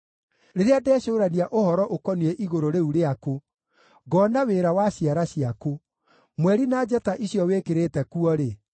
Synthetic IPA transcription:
ɾeɾeadɛːɕoːɾaniaʔohɔɾɔʔokɔniɛʔiɣoɾoɾeuɾeako | ɡɔnaweɾawaɕiaɾaɕiako | mwɛɾinad͡ʒɛtaʔiɕjɔwekeɾetɛkuɔɾe

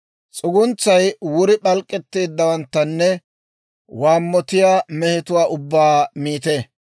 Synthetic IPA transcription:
t͡sʼʊɡʊnt͡sːɐjwʊɾɪɓɐlkʼːɛt̪ːeːd̪ːɐwɐnt̪ːɐnːɛ | waːmːɔt̪ɪjaːmɛhɪt̪ʊwaːʔʊbːaːmiːt̪e

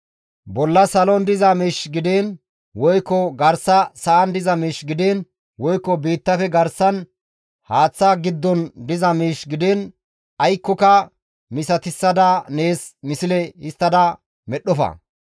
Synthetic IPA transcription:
bɔlːɐsɐlɔnd̪ɪzɐmiːʃɡɪd̪en | wɔjkːɔɡɐɾsːɐsɐʔɐnd̪ɪzɐmiːʃɡɪd̪eːn | wɔjkːɔbiːt̪ːɐfɛɡɐɾsɐn | haːt͡sːɐɡɪd̪ːɔnd̪ɪzɐmiːʃɡɪd̪ɛn | ɐjkːɔkɐ | mɪsɐt̪ɪsːɐd̪ɐne̞ːsmɪsɪlɛhɪst̪ːɐd̪ɐ | mɛɗːɔfɐ̰

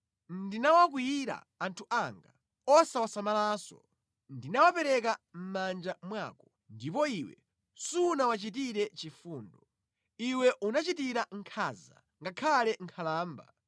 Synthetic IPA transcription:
ndinawak̬wijiɾa̰ːntʰuʔaŋɡa | ɔsawasamalaːsɔ̰ | ndinawapɛɾɛkam̩mand͡ʒamwaːkɔ | ndipɔiwɛ̰ | sunawat͡ʃit̬iɾɛt͡ʃifuːndɔ | iwɛʔunat͡ʃitiɾaŋkʰaːza̰ | ŋɡakʰalɛŋkʰalaːmba̰

